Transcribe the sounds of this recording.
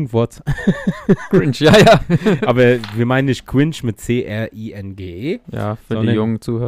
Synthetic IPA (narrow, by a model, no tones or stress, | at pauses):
ŋ̩vɔɐt | kɪnt͡ʃjajaːʔaːbɐviːɐmaɪnənːɪçtkʰw̥ɪnʃmɪtt͡seːʔɛɐʔiːɛnɡeːeːja̰fɔnidɐjʊŋənt͡suːhøː